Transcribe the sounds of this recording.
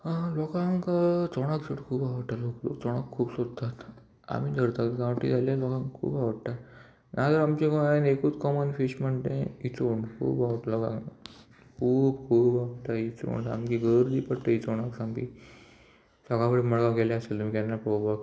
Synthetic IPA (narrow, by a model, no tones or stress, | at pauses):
lɔkãŋkt͡soɽ̃akd͡zəʈkʰuːbaʋət̪aloklo̰kt͡sɔɽ̃akʰːuːbsod̪t̪at̪ | a̰mid̪ʱəɾt̪at̪ɡãwʈḭd͡zʱaljalɔkãŋkkʰṵːbaʋəɽt̪a | nat̪əɾamt͡ɕekanekuːt͡skɔmənfiɕməɳt̪ḛ̃it͡soɳkʰṵːbaʋət̪lɔka̰ | kʰuːbkʰuːbaʋt̪ait͡so̰ɳa̰mkiɡəɾd̪iːpəɽt̪əit͡soɽ̃aksamkḭ | səɡakəɽiməɭɡãkelaəselt̪um̤iːkɛnːapɾobak